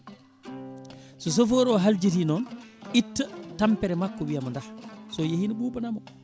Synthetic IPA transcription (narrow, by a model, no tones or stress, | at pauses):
sɔs̬ofoɾɔɦald͡ʒitinɔnʔitːatampɛɾɛmakːɔwijamɔndahsɔjehiniɓuːɓanamɔ